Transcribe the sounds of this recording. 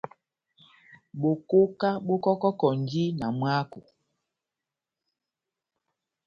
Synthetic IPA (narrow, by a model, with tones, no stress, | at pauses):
ɓo˨ko˦ka˦ɓo˦kɔ˦kɔ˦kɔ˨n˨˦d͡ʒi˦na˨mwa˦ku˨